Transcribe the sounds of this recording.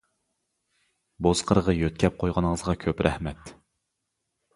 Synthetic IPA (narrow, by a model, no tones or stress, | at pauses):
bozqʰəɾəʁɑjøt̪̚kʲʰɛp̚qʰojʁɑnəŋəzʁɑkʲʰøpɾʔɛ̰hmɛt̪